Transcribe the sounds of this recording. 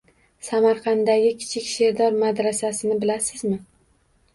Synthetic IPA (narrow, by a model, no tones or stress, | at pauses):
samaɾqɑnd̪aɡʲɪkʲʰɪ̥t͡ʃʰɪkʲʃe̞ɾd̪ɒɾmad̪ɾasasɪnɪbɪlasɪzmɪ